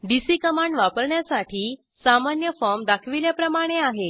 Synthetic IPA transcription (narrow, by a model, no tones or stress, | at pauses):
ɖisikəmaɳɖʋapəɾɳjasaʈʰiː | samanjəfɔɾmd̪akʰʋiljapɾəmaɽ̃eaɦe